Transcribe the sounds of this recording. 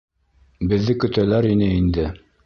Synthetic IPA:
bɘ̆ðːɘkɵ̆t̪ælæɾinɘind̪ɘ

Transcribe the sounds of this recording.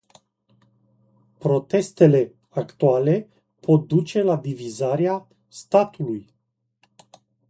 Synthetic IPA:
pɾo̞t̪e̞st̪e̞le̞ | akt̪uale̞ | pʰo̞t̪̚d̪ut͡ʃe̞lad̪ivizaɾea | st̪at̪ʰuluj

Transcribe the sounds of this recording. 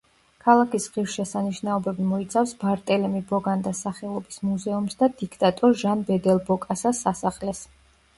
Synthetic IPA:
kʰalˠakʰisʁifʃɛsaniʃnaɔbɛbimɔit̪sʰafsbaɾt̪ʼɛlɛmibɔɡand̪asaχɛlˠɔbismuzɛumsd̪ad̪ikʰt̪ʼat̪ʼɔɾʒanbɛd̪ɛlˠbɔkʼasasasaχlɛs

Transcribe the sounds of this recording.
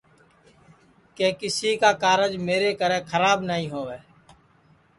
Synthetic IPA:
keːkɪsiːkaːkaːɾəd͡ʒmeːɾeːkəɾẽːkʰəɾaːbnəɦĩːɦoːʋeː

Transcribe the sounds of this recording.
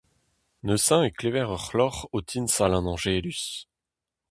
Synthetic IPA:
nøsɛ̃eklevɛʁœχlɔʁot̪ʰinsalɛ̃nɑ̃ʒelys

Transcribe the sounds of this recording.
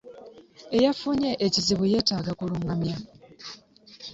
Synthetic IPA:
e̞jafuɲeʔeciziβuje̞ːtaɡakuluŋamja

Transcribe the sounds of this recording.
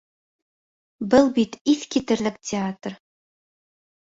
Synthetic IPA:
bɘlˠbit̪iθkʲʰit̪ɘɾlɘk̚tʰʲeat̪r

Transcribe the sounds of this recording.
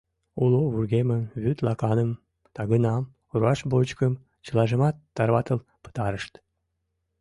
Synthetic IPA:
uloβurɣemənβyt̪lɑkɑnəm | t̪ɑɣənɑm | uɾuɑʃbot͡ɕkəm | t͡ɕəlɑʒəmɑt̪ːɑrβɑt̪əlpə̥t̪ɑɾəʃt̪

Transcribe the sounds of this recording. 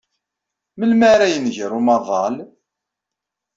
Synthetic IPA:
məlmaɾæjənʝəɾˤumɑðˤɑl

